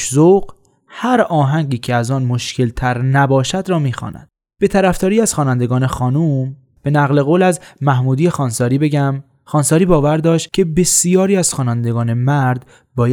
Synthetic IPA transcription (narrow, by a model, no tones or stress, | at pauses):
zoq | hæɾɒːɦæŋɟiːcʰeæzɒːnmo̞ʃcʰe̞lt̪ʰæɾnæbɒːʃæd̪ɾɒːmiːxɒ̰ːnæ̰d̪̥ | b̥e̞t̪ʰæɾæft̪ɒːɾiːæz̥xɒːnænd̪e̞ɡɒːne̞xɒːnuːm | b̥e̞næɣle̞ɣoːlæzmæhmuːd̪ijexɒːnsɒːɾiːbe̞ɟæm | xɒːnsɒːɾiːbɒːvæɾd̪ɒːʃt̪̚cʲʰe̞be̞sijɒːɾiːæz̥xɒːnænd̪e̞ɡɒːne̞mæɾd̪ | bɒːjæ